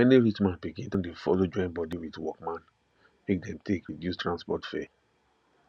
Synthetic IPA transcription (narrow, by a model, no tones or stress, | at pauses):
ɛniɹitmãnpikĩntɔ̃ndefɔ̰lod͡ʒɔ̃ɪ̃nbɔdiwitwɔkmãn | mek̚dɛ̃mtʰekɹidjustɹãnspɔtfɛ